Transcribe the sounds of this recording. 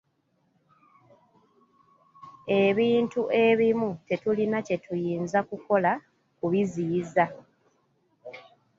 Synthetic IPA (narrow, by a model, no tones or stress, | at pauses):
e̞βiːntuʔe̞βimute̞tulinace̞tujiːnzakuko̞la | kuβiziːza